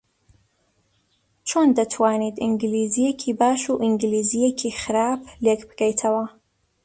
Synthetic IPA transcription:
t͡ʃʰoːnd̪ɐt̪ʰwaːnit̪iŋɡlizijekʰiːbaːʃuʔiŋɡlizijekʰixɨɾaːplekbɨɡɛjt̪ʰɐwɐ

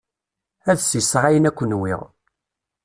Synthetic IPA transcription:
æðsisʁæjənækʷːənwḭʁ

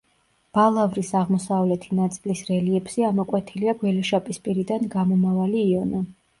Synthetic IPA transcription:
b̥alˠavɾisaʁmɔsavlɛt̪ʰinat̪sʼilisɾɛliɛbz̥iamɔkʼwɛt̪ʰiliaɡwɛlɔʃapʼispʼiɾid̪anɡamɔmavaliːɔna

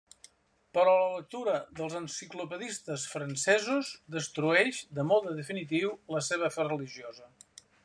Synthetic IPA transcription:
pəɾɔlələk̚t̪uɾəðəlˠzənsiklupəðist̪əsfɾənsɛzuzd̪əst̪ɾuɛʃd̪əmɔðəðəfinit̪̬iwləseβ̞əfɛrəliʒiozə

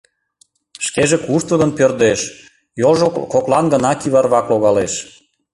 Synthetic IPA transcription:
ʃkeʒekuʃt̪əɣənpørd̪eʃ | jolʒkoklɑnɡənɑkiβɑrβɑkloɣɑleʃ

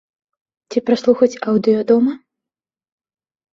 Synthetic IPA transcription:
t͡sʲipɾaslˠuxɐt͡sʲawd̪ɨjɔd̪ɔmɐ

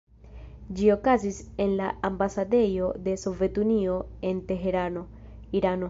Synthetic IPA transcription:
d͡ʒio̞kazise̞nlaambasade̞jo̞de̞so̞ve̞tunio̞e̞nte̞ɦe̞ɾano̞ | iɾano̞

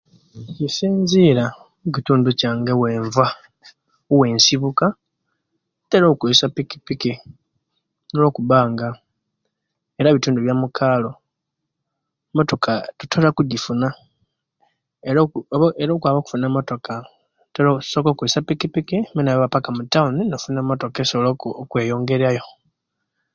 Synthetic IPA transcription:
cisiːnziːɾa | uc̬ituːnducaːŋɡeweːɱva | we̞ːnsiβuka | teɾoːkuisapiki̥piki | nolo̞ːkuβaːŋɡa | eɾaβituːnduβjamukʰaːlo̞ | mo̞to̞kʰatu̥tʰolakuɟifuna | eɾoeɾoːkwaːβoku̥funamo̞to̞ka | teɾosokokuisapikipikiminaβaβapakamutauninafunamoto̞kesoβlookwe̞ːjo̞ːŋɡe̞ɾajo̞

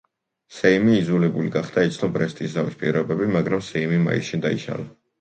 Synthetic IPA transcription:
sɛimiːzulɛbuliɡaχd̪̥ait̪sʰnɔbʼɾɛst̪ʼisavispʼḭɾɔbɛbimaɡɾamsɛimima̰ḭʃind̪aiʃa̰la

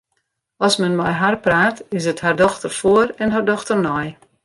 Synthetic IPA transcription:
ɔsmɛnmɔjɦarpraːtɪsəthardɔxtərfoərɛnɦardɔxtərnɔj

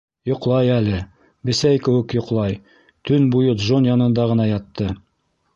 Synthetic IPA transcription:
jŏqlˠɑjælɘ | bɘ̆sæjkɘ̆wɘ̆kjŏqlˠɑj | t̪ʰɵnbujot̪ʒonjɑnɤ̆nd̪ɑʁɤ̆nɑjɑt̪ːɤ

